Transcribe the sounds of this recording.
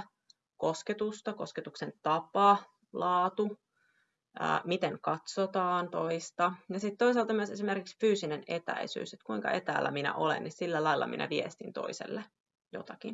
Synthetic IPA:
kosket̪ust̪ɑko̞sket̪uksent̪ɑpɑ | lɑːt̪u | ə̰ːmit̪eŋkɑt̪sot̪ɑːnt̪oist̪ɑjɑsit̪ːt̪o̞isɑːlt̪ɑmyøse̞sime̞rkiksfyːsinenet̪æ̰isy̰ːset̪kuiŋkɑ̰ʔet̪æːlːæ̰minæ̰ʔolḛnːissilːælɑilːɑ̰mḭnʔæ̰ʋiest̪int̪o̰isḛlːe | jot̪ɑkin

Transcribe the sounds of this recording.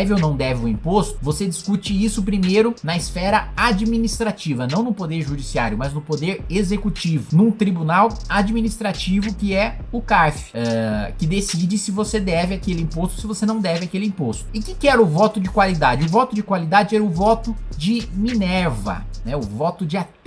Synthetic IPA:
vɪonɐ̃w̃d̪ɛvɪũĩpost̪ʊ̥vosed͡ʒiskut͡ʃɪisʊpɾimejɾʊnɐisfɛɾɐad͡ʒminist̪ɾat͡ʃivɐnɐ̃w̃nʊpod̪eɾʒud͡ʒisia̰ɾjʊmɐznʊpod̪eɾezekut͡ʃivʊnũt̪ɾibunawad͡ʒiminist̪ɾat͡ʃivʊkɪɛ | ʊkaɾfɪ̥ɛkɪd̪esid͡ʒɪsɪvosed̪ɛvɪakelɪĩpost̪ʊ̥sɪvosenɐ̃w̃d̪ɛvɪakelɪĩpost̪ʊɪkɪkɪɛɾʊvɔt̪ʊd͡ʒɪkwalid̪ad͡ʒɪʊvɔt̪ʊd͡ʒɪkwalid̪ad͡ʒɪɛɾʊvɔt̪ʊd͡ʒɪminɛɾvɐ̰nɛʊvɔt̪ʊd͡ʒɪat̪

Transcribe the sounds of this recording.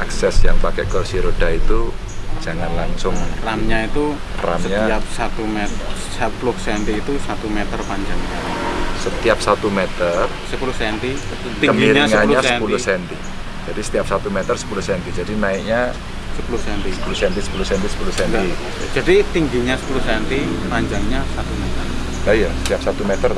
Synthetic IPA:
ʔaksɛsjaŋpakɛ̰kɔrsiɾodait̪ud͡ʒ̥aŋanlaŋsʊŋramɲait̪u | ra̰msəɲtaap̚sat̪umet̪ | səpulʊhsɛnt̪iːt̪usat̪umet̪ərpaɲd͡ʒaŋɲasət̪iap̚sat̪umet̪ər | səpulʊhsɛnt̪i | k̪iəŋmɡiɾɲaiŋəaɲuasəɛnpulʊhsɛnt̪i | d͡ʒadisə̥t̪iap̚sat̪umɛt̪ərsə̥pulʊhsɛnt̪id͡ʒadinaɪk̚ɲa | səpulʊhsɛnt̪isə̥pulusɛnt̪isə̥pulʊhsɛnt̪isə̥puluhsɛnt̪i | d͡ʒadit̪iŋɡiɲasə̥pulʊhsɛnt̪ipaɲd͡ʒaŋɲasat̪umet̪ər | ajasət̪iap̚sat̪umɛt̪ər

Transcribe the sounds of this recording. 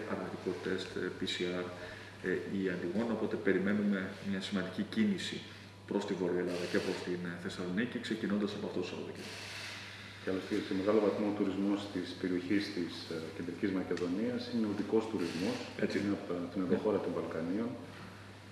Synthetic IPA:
ʔɐɾɣɐt̪ikot̪e̞st̪pisiɐɾ | iɐnd̪iɣo̞nopo̞t̪e̞pe̞ɾime̞nume̞mɲɐsimɐnd̪icicinisi | pɾo̞st̪ivo̞ɾioe̞lɐðɐce̞pɾo̞st̪inθe̞sɐlonicikse̞cino̞nd̪ɐsɐpoɐft̪ot̪osɐ̰oðoce | cɐlosisome̞ɣɐlo̞vɐθmoot̪uɾizmost̪ispe̞ɾio̞çist̪isce̞nd̪ɾicizmɐce̞ðo̞niɐsineoðiko̞st̪uɾizmoset͡sist̪inɐðoxo̞ɾɐt̪õ̞ɱvɐlkɐnio̞n

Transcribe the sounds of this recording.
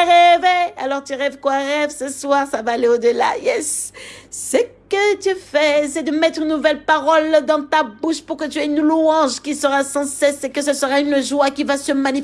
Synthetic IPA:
ʁevea̰lɔʁt̪yʁɛvkwaʁɛvsəswaʁsavaːleod̪əla̰jɛsː | əkət̪yfɛsɛd̪əmɛt̪χynːuvɛlpaʁɔld̪ɑ̃t̪abuʃpuʁkət̪yɛynluɑ̃ʒkʲisəʁasɑ̃sɛsekəsəsəʁaynʒwakʲivasəmani

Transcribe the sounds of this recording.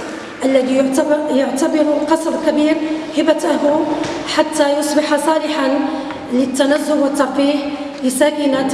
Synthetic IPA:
ʔəlːæd̪ijt̪jʊʕt̪abɑɾʊlqɑsˤɑbkæbiːɾhɪbæt̪aɦʊħat̪ːæjʊsˤbɪħasˤɑːlɪħan | lət̪ːænæzːʊlwət̪ːɑfiːh | lɪsækɪna

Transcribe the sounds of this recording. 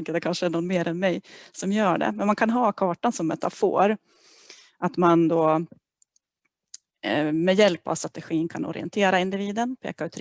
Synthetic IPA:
ŋkːəɖ̪ɛkʰanʂəæɳɔnmeːɾʔɛnmɛjsɔmjœːɖɛ̰mɛnmankʰanɦɑːkʰɑːʈansɔmːɛt̪ʰːafo̰ːɾ | ʔat̪mand̪oː | mɛjɛlpːa̰vst̪ɾat̪ɛɧiːnkʰanɔ̰ɾɪ̰ɛ̰nt̪ʰeːɾaɪnd̪ɪviːd̪ənpʰḛːkaʉːt̪ʰːɾ

